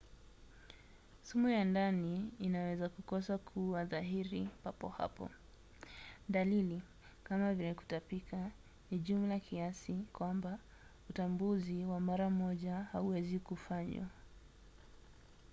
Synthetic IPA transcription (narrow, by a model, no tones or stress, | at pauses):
sumujandaniːnawɛzakukɔsakʰuaðaɦiɾipapɔ̰ha̰pɔ̰ | dalili | kamavilɛku̥tapika | niʄumlakʰiasikwamba | utambuziwamaɾamɔʄahauwɛzikufaɲwa̰